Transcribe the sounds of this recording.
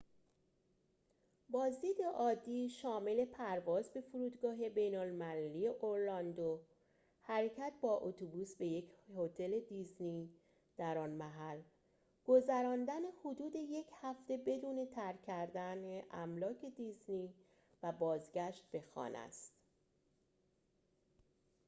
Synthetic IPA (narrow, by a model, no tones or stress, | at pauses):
bɒːzd̪iːd̪e̞ʔɒːd̪ːiːʃɒːme̞le̞pʰæɾvɒːzbe̞foɾuːd̪ɡɒːɦe̞be̞jnolmælælijeʔoɾlɒnd̪o | hæɾecʰæt̪̚bɒːʔot̪ʰobuːsbe̞je̞cʰhot̪ʰe̞le̞d̪izni | d̪̥æɾɒːnmæɦæl | ɡ̥o̞zæɾɒːnd̪æne̞hod̪uːd̪e̞je̞cʰhæft̪e̞be̞d̪uːne̞t̪ʰæɾcʰæɾd̪æneʔæmlɒːcʰe̞d̪izni | væbɒːzɟæʃt̪̚be̞xɒ̰ːnæ̰st̪